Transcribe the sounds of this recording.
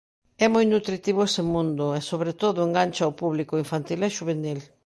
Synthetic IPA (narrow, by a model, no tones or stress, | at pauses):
ɛmojnut̪ɾit̪iβ̞ʊesemũnd̪ʊesoβɾet̪oðʊeŋɡanʲt͡ʃaopuβlikoiɱfant̪ilɛʃuβenil